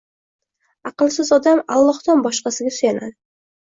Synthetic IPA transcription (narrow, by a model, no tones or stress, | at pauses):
ɑqɨlˠsɪzɒd̪amalˠːɒhd̪ɒnbɒʃqɑsɪɡʲasʊjanad̪ɪ